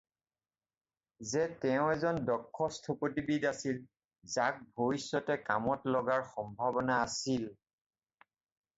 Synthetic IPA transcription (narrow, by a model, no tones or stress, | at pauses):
zɛtɛʊ̃ɛzɔndɔkʰːɔstʰopotibidasil | zak̚bʱoisːɔtɛkamɔtlɔɡaɹxɔmbʱabɔnaːsil